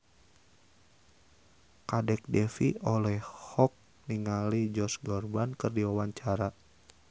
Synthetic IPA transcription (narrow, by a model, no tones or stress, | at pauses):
kadɛk̚dɛfiolɛhhɔk̚ | niŋalid͡ʒɔsɡɔrbankɨrdiwawaɲt͡ʃaɾa